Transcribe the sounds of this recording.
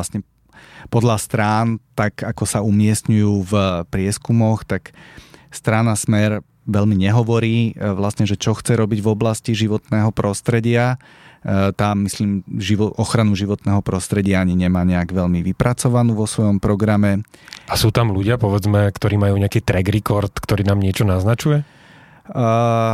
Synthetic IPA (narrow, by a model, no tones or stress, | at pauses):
asɲɛ | pɔd̪ʎast̪ɾaːnt̪akakɔsaumɪɛsɲujuːvpɾɪɛskumɔxt̪akst̪ɾaːnasmɛɾ | ʋɛʎmiɲɛɦɔʋɔɾiːʋlasɲɛʒɛt͡ʃɔxt͡sɛɾɔbiɟvɔblasciʒiʋɔt̪nɛːɦɔpɾɔst̪ɾɛɟɪa | t̪aːmːisliːmʒiʋɔʔɔxɾanuʒiʋɔt̪nɛːɦɔpɾɔst̪ɾɛɟɪaaɲiɲɛmaːɲɛaɡʋɛʎmiʋipɾat͡sɔʋanuːʋɔsʋɔjɔmpɾɔɡɾamɛasuːt̪amluɟɪapɔʋɛd͡zmɛkt̪ɔɾiːmajuːɲɛakiːt̪ɾɛɡɾikɔɾt̪kt̪ɔɾiːnaːmɲɪɛt͡ʃɔnaznat͡ʃujɛ